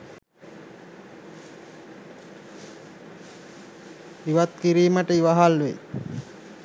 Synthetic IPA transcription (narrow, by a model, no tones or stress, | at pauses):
iʋat̪̚kiɾiːmaʈəiʋaɦalʋḛ